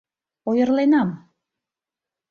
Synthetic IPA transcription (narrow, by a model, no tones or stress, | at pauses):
ojə̆rlenɑm